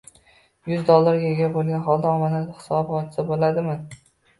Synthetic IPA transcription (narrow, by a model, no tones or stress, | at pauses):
jʊzd̪olˠːaɾɡʲaeɡʲabolˠɡʲanχɒlˠd̪aɒmanɪd̪hɪ̥sɒbbɒt͡ʃ̪ɪ̥sabolad̪ɪmɪ